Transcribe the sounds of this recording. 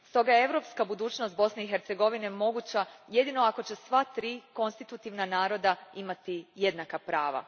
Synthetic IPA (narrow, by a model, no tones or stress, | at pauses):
st̪o̞ɡajeeʋɾo̞pskabud̪uːt͡ɕnost̪bo̞sne̞ixeɾt̪seɡo̞ʋine̞mo̞ɡut͡ɕaje̞d̪ino̞ako̞t͡ɕe̞sʋat̪ɾiːko̞nst̪it̪ut̪iʋnanaːɾo̞d̪aimat̪ije̞d̪nakapɾaːʋa̰